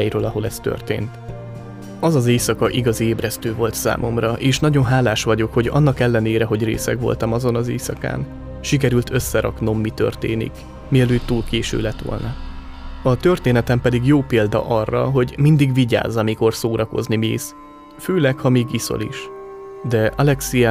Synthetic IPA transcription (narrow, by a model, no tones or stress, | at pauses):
ɛjɾøːlɒɦo̞lɛst̪ø̰rt̪ḛːnt̪ | ɒzɒzeːsɒkɒʔiɡɒzieːbrɛst̪øːvo̞lt̪sa̰ːmʔo̞mrɒʔeːʃnɒɟo̞nɦaːlaːʃʋɒɟo̞kho̞ɟɒ̰nːɒkɛlːɛneːɾɛɦo̞ɟrḛːsɛ̰kʋo̞̰lt̪ɒmɒzo̞nɒzeːsɒka̰ːn | ʃik̬ɛɾylt̪ʰø̞sːɛɾɒ̰kno̞mːit̪ø̞̰rt̪ḛːnḭk | miɛløːt̪ːuːlkeːʃø̰ːlɛt̪ʋo̰lnɒ | ɒt̪ø̞rt̪eːnɛt̪ɛmpɛd̪iɡjoːpeːld̪ɒ̰ʔɒrːɒ̰ɦo̞ɟmind̪iɡʋiɟa̰ːzːɒmiko̞rsoːɾʔɒko̞̰znimiːs | føːlɛkhɒmiːɡiso̞̰lḭʃ | d̪ɛʔɒlɛksiɛ